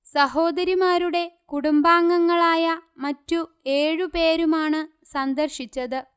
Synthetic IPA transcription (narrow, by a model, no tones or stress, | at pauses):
sɐɦo̞ːd̪ɐɾimaːɾuɽe̞kuɽumbaːŋːɐŋːɐɭaːjɐmɐtːu | e̞ːɻupe̞ːɾumaːɳɨ | sɐnd̪ɐrɕit͡ɕːɐðɨ